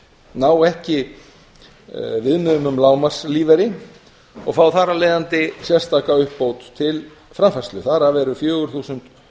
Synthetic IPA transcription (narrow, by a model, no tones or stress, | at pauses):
naːwɛhcɪ | vɪðnʏmʏmlaːwmar̥sliːvɛɾɪ | ɔɣfawθaɾalejðant̪ɪsjɛr̥st̪aːkaʏhpːowt̪t̪ʰːɪl | fɾamfɛst̪lʏθaɾavɛːɾʏfjœːɣʏɾ̥θuːsʏnt̪